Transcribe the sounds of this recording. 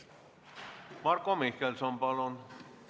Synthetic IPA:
mɑrkːomihkelsompɑlon

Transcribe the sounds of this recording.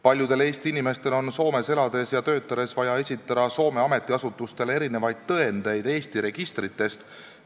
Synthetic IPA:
pɑlʲjud̪̥e̞le̞ːst̪iinime̞st̪e̞lo̞nso̞ːme̞se̞lɑd̪e̞sjɑt̪ø̞ːt̪ːˑɑɾesvɑjɑe̞sʲit̪ːˑɑd̪̥ɑso̞ːme̞ɑme̞t̪ːˑiɑsut̪ːˑust̪e̞le̞ɾine̞vɑjd̪̥̚t̪ɤe̞nd̪̥e̞jd̪̥e̞ːst̪iɾe̞ɡ̥ist̪ɾit̪ːˑe̞st̪

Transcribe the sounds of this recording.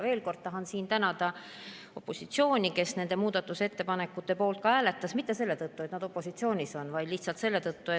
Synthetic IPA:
ve̞ːlko̞rd̪̥̚t̪ɑɦɑnsiːnt̪ænɑd̪̥ɑ | o̞pːˑo̞sit̪sio̞ːnʲike̞sne̞nd̪̥e̞muːd̪̥ɑt̪ːˑuse̞t̪ːe̞pɑne̞kːˑut̪ːe̞po̞ːlt̪̚kɑæːle̞t̪ːˑɑsmit̪ːe̞se̞lːe̞t̪ɤt̪ːue̞t̪nɑd̪̥o̞pːo̞sit̪sio̞ːnʲiso̞nvɑjd̪liçht̪sɑlt̪se̞lːe̞t̪ɤt̪ːue

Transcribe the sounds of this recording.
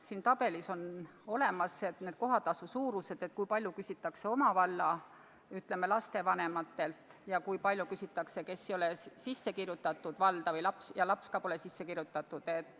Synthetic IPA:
siːnt̪ɑb̥e̞liso̞no̞le̞mɑset̪ned̪̥̚ko̞ɦɑt̪ːɑsusuːɾuse̞d̪̥et̪̚kujpɑlʲjukysʲit̪ːˑɑkse̞o̞mɑvɑlːɑ | yt̪ːle̞melɑst̪e̞vɑne̞mɑt̪ːe̞lt̪jɑkujpɑlʲjukysit̪ːˑɑkse̞ke̞sːjo̞lesisːe̞kirjut̪ːˑɑt̪ːˑud̪̥vɑld̪̥ɑvɤjlɑpsjɑlɑpskɑpo̞lesisːekirjut̪ːˑɑt̪ːˑud̪̥e̞t̪ːˑ

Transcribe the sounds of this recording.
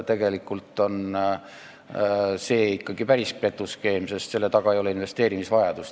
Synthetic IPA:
t̪e̞ɡ̥e̞likːˑult̪ːˑo̞n | se̞ːikːɑɡ̥ipæɾispe̞t̪ːˑuske̞ːmse̞st̪se̞lːe̞t̪ɑɡɑejoleinve̞st̪e̞ːɾimisvɑjɑd̪̥us

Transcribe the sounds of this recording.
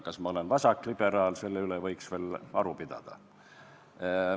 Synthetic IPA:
kɑsmɑo̞lenvɑsɑkːˑlib̥e̞ɾɑːlse̞lːeylevɤjksve̞ːlɑɾupid̪̥ɑ̰d̪̥ɑ̰

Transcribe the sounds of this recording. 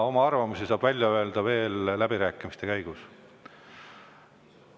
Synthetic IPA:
o̞mɑɑrvɑmusisɑːb̥vælʲjɑø̞e̞ld̪̥ɑve̞ːlːæbiɾæːkˑːimist̪e̞kæjɡ̥us

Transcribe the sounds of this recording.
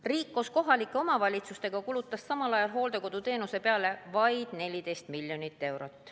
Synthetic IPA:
riːkːˑusko̞ɦɑlikːˑe̞o̞mɑvɑlʲit̪sust̪e̞ɡ̥ɑkulut̪ːˑɑssɑmɑlɑjɑlɦo̞ːld̪e̞ko̞d̪̥ut̪e̞ːnuse̞pe̞ɑle̞vɑjd̪̥ne̞lʲid̪e̞jst̪milʲjo̞nit̪ːe̞wɾot̪ːˑ

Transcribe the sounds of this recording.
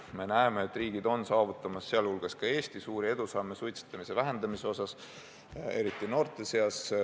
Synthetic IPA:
me̞næeme̞et̪ːˑriːɡid̪̥o̞nsɑːvut̪ːˑɑmɑsːeɑlhulɡ̥ɑskɑe̞ːst̪isuːɾie̞d̪̥usɑmːesujt̪si̥t̪ːˑɑmise̞væɦe̞nd̪̥ɑmise̞o̞sɑs | e̞ɾit̪ːˑino̞ːrt̪ˑe̞se̞ɑs

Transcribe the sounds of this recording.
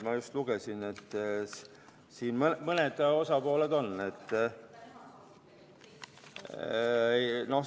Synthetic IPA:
mɑjust̪luɡ̥esine̞t̪ːˑ | siːnmnmɤned̪o̞sɑpo̞ːled̪o̞nːe̞t̪ːˑ | no̞

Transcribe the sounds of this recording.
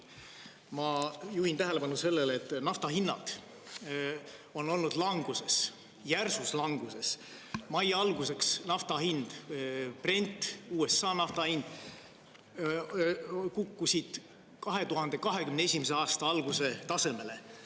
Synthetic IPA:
mɑjuhint̪æɦele̞pɑnuse̞lːelet̪ːˑnɑft̪ɑɦinːɑ̰d̪̥ | o̞nːo̞lnud̪̥lɑŋɡ̥use̞s | jærsuslɑŋɡ̥use̞s | mɑjɑlɡ̥use̞ksnɑft̪ɑɦind̪̥prenʲt̪ːˑuːe̞sːɑːnɑft̪ɑhind̪̥ | kukːusid̪̥ | kɑɦe̞t̪uɦɑnd̪e̞kɑɦe̞kymneesʲimese̞ɑːst̪ɑɑlɡ̥use̞t̪ɑse̞me̞le

